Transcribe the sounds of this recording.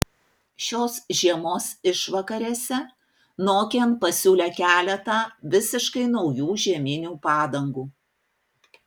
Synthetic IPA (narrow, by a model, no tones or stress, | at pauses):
ʃʲoːsʒʲiɛmoːsɪʃʋɐkɐɾʲeːsʲɛ | noːkʲenpɐsʲuːlʲɛkʲæːlʲɛt̪ɑʋʲɪsʲɪʃkɐɪnɒʊjuːʒʲiɛmʲɪnʲuːpɑːd̪ɐŋɡuː